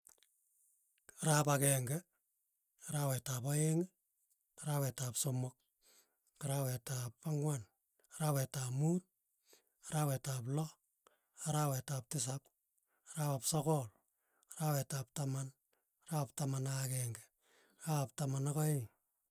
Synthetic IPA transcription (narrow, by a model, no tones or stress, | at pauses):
ɾapakeŋɡe | ɾawetapoeŋ | ɾawɛtapsomʊk̚ː | aɾawetappaŋwan | ɾapɛtapmuːt̚ | ɾawetap̬lɔ | aɾawetap̚tɪs̬ap̚ | ɾapapsokɔl | ɾawɛtap̚taman | ɾap̚tamanakeŋɡe | ɾap̚tamanakoɪŋ